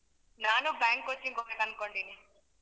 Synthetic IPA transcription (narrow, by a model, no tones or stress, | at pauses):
naːnubaːŋkot͡ʃːiŋɡoːmeːlɐnkoɳɖiːni